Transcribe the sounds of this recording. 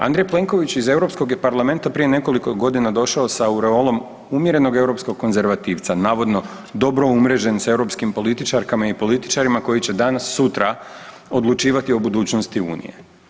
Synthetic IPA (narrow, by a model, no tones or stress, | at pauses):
a̰nd̪ɾejple̞ŋko̞ʋit͡ɕize̞wɾo̞psko̞ɡjepaɾlˠame̞nt̪apɾije̞ne̞ko̞likoɡo̞d̪inad̪o̞ʃaosauɾeolˠo̞m | umjeɾe̞no̞ɡe̞wɾo̞psko̞ɡ̚kːo̞nze̞ɾʋat̪iːʋt̪sanaːʋo̞d̪no̞ | d̪o̞bɾo̞umɾe̞d͡ʑe̞nse̞wɾo̞pskimpo̞lit̪it͡ʃaɾkamaipo̞lit̪i̥t͡ʃaɾimako̞jit͡ɕe̞d̪anasːut̪ɾa | o̞d̪lˠut͡ʃiːʋat̪io̞bud̪uːt͡ɕnost̪iṵːnḭje̞̰